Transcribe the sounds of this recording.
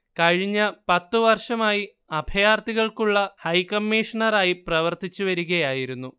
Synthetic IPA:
kɐɻiɲːɐpɐt̪ːuʋɐrʂɐmaːji | ɐbʱɐjaːrt̪iɣɐɭkuɭːɐhɐjkɐmːiːʂɐɳɐraːjiprɐʋɐrt̪it͡ɕːuʋɐɾuɣɐjaːjiɾunːu

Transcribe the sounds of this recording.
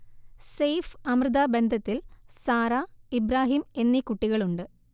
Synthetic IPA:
sejfɐmrɨd̪abe̞nd̪ʱɐt̪ːilsaːɾaibɾaːɦiːme̞nːikuʈːiɣɐɭuɳɖɨ

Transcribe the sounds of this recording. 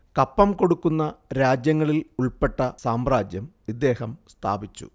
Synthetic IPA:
kɐpːɐmko̞ɽukːunːɐɾaːd͡ʑjɐŋːɐɭiluɭpe̞ʈːɐsaːmraːd͡ʑjɐm | id̪ːe̞ːhɐmst̪ʰa̰ːbit͡ɕːṵ

